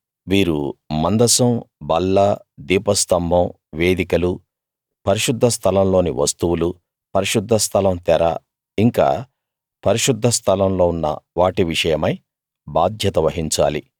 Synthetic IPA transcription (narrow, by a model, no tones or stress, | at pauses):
ʋiːɾumɐnd̪ɐsɐmbɐlːɐd̪iːpɐst̪ɐmbʱɐm | ʋe̞ːd̪ikɐlu | pɐɾiʃud̪ʱːɐst̪ʰɐlɐmlo̞ːniʋɐst̪uwulu | pɐɾiʃud̪ʱːɐst̪ʰɐlɐmt̪ɛɾa̰ː | iŋka̰ː | pɐɾiʃud̪ʱːɐst̪ʰɐlɐmlo̞ːunːɐ̰ʋaːʈiʋiʂɐjɐmɐj | baːd̪ʱjɐt̪ɐʋɐɦiɲt͡ʃa̰ːli